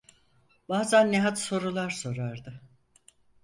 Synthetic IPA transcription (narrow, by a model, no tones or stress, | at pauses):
b̥aːzænːeɦat̪so̞ɾulˠaɾso̞ɾaɾd̪ɯ